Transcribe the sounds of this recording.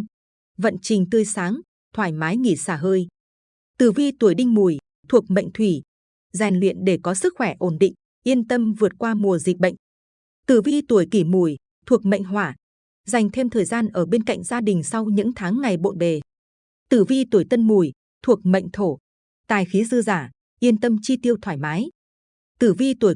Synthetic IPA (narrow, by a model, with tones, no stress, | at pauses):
və̰˧˨nt͡ɕï˨˩ŋ̟t̪ɨ˧əjsaː˨˦ŋ | t̪ʰwaː˧˩jmaː˨˦jŋi˧˩saː˧˩ɦəː˧j | t̪ɨ˧˩vi˧t̪əjɗï˧ŋ̟mu˨˩j | t̪ʰu˨˩ək̚mə̰˧˨jŋ̟t̪ʰwi˧˩ | za˨˩nlwḭ˧˨ənɗe˧˩kɔ˨˦sɨ˦˥k̚xwɛ˧˩ʔo˧˩nɗḭ˧˨ŋ̟ | ʔi˧ənt̪ə˧mvɨ˨˩ət̚kwaː˧mu˨˩əzi˨˩t̚ɓə̰˧˨jŋ | t̪ɨ˧˩vi˧t̪u˧˩əjki˧˩mu˨˧˩j | t̪ʰu˨˩ək̚mə̰˧˨jŋ̟ɦwaː˧˩ | za˨˩jŋ̟t̪ʰe˧mt̪ʰəː˨˩jzaː˧nʔəː˧˩ɓe˧nka̰˧˨jŋ̟zaː˧ɗï˨˩ŋ̟sa˧wɲɨ̰˧˥ŋt̪ʰaː˨˦ŋːa˨˩jɓo̰˧˨nɓe˨˩ | t̪ɨ˧˩vi˧t̪u˩əjt̪ə˧nmu˨˩j | t̪ʰu˨˩ək̚mə̰˧˨jŋ̟t̪ʰo˧˩ | t̪aː˨˩jxi˨˦zɨ˧əzaː˧˩ | ʔi˧ənt̪ə˧mt͡ɕi˧t̪i˧əwt̪ʰwaː˧˩jmaː˨˦j | t̪ɨ˧˩vi˧t̪u˧˩əj